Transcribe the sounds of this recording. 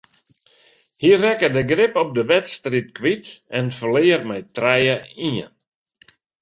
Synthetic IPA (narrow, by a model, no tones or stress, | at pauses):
hiərɛkədəɡrɪpɔp̚dəʋɛtstrit̚kʋitɛnfəlɪːərmɛjtrɛjəiən